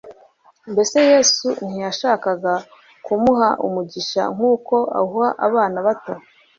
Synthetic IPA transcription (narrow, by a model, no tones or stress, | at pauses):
mbe̞seje̞ːsun̥hijaʃaːkaɡa | kumuɦaʔṵmuɟiʃa̰ŋ̥uːko̞a̰huhaʔaβaːnaβato